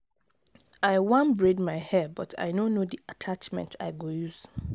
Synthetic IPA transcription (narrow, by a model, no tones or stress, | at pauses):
aɪwãnbɹedmaɪhɛbɔtʰa̰ɪnonodiatʰat͡ʃmɛ̰̃ntʰa̰ɪɡojuz